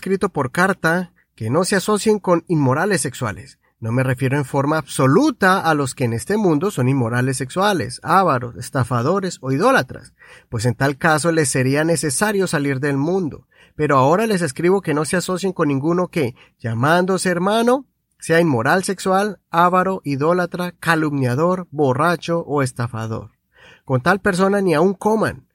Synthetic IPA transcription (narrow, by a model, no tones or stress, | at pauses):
skɾit̪o̞po̞ɾkaɾt̪a | ke̞no̞se̞aso̞sje̞ŋko̞ninmo̞ɾale̞sːe̞kswa̰le̞̰s | no̞me̞re̞fje̞ɾo̞eɱfo̞ɾmaːβso̞lut̪aːlo̞skeːne̞st̪e̞mũnd̪o̞so̞ninmo̞ɾale̞s̬ːe̞kswale̞̰saβaɾo̞se̞st̪afað̞o̞ɾe̞so̞iðo̞lat̪ɾa̰s | pwe̞s̬e̞nt̪alkas̬o̞le̞sːe̞ɾiane̞se̞saɾjo̞saliɾðe̞lmũnd̪o̞̰ | pe̞ɾo̞ao̞ɾale̞s̬e̞skɾiβo̞ke̞no̞seaso̞sje̞ŋko̞nːĩŋɡuno̞ke̞ | ʝamãnd̪oseːɾmano̞ | se̞ainmo̞ɾalse̞kswalaβaɾo̞ʔiðo̞lat̪ɾakalumnjaðo̞ɾbo̞rat͡ʃo̞ʔoe̞st̪afaðo̞̰ɾ | ko̞nt̪alpe̞ɾs̬o̞naniauŋko̞ma̰n